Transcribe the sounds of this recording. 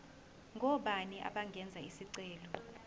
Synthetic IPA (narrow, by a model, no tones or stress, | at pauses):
ŋɡʱɔɓaniʔa̰ɓaŋɡʱɛnd͡zʱaisiǀɛːlɔ